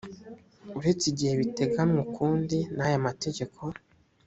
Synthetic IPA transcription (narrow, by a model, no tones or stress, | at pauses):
uɾet͡siɟihe̞βite̞ɡamŋukuːndinajamate̞ɟe̞kʰo̞